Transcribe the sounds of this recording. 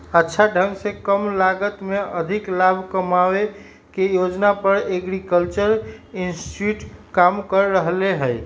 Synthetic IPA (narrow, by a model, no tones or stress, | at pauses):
ətːʃʰaɖʱə̃ŋɡsẽkəmlaɡət̪meəd̪ʱiklabʱkəmawe | kejod͡ʒnapəɾeɡɾikəlt͡ʃəɾinsʈuʈkamkəɾːəɦleɦəj